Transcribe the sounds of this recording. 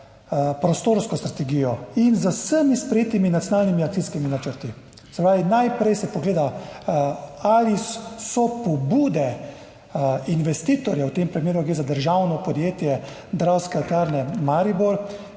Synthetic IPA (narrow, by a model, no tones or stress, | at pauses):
pɾɔst̪oːɾskɔst̪ɾat̪ɛɡiːjɔinzəsəmispɾɛjeːt̪iminat̪sʲjɔnaːlnimiakt̪iskiminat͡ʃəɾt̪i | sɛpɾaːʋinajpɾɛjsɛpɔɡleːd̪a | alisɔpɔbuːd̪ɛ | inʋɛst̪iːt̪ɔɾjawt̪eːmpɾimeːɾuɡɾeːzad̪əɾʒawnɔpɔd̪jeːt̪jɛ | d̪ɾawskɛat̪aɾnɛmaɾibol